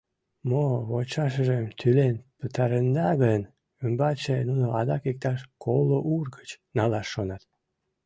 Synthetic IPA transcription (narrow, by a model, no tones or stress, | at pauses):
moβot͡ɕɑʃ̬əʒəmt̪ʰylenpət̪ɑɾənd̪ɑɣən | əmbɑt͡ɕenunoɑd̪ɑkek̚t̪ɑʃkʰoloʔurɣət͡ɕnɑlɑʃːonɑt̪